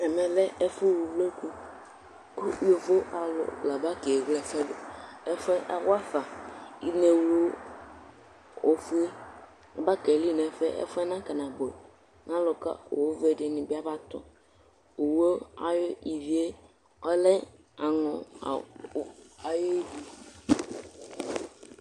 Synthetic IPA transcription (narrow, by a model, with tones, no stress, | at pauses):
ɛ˨mɛ˨lɛ˦ɛ˦fʊ˦˨wu˨ve˦ku˦ | ko˦o˨vo˦ʔa˨lʊ̰˨la˨ba˦ke˨e˨ɡlɛ˨fɛ˦lo˨ɛ˦fɛ˦ʔa˨wa˦fa˨i˦ne˨wo˦ | o˨fe˦˨ | ba˦ke˨li˦nɛ̃˨fɛ˦ʔɛ̰˦fʊ˦ɛ˦nã˦ka˨nã˨bo˨ | nã˦lʊ˨ka̰˦o̰˨wo˦ve˦˨dɪ˨nɪ̃˨bɪ˦a˦ba˦t̪ʊ̰˨ | o˨wo˦a̰˨jʊ˦i˨vi˨˦e˦ | ɔ˦lɛ˦ | a˨nʊ̰˨˦ | a˨jo˦di˨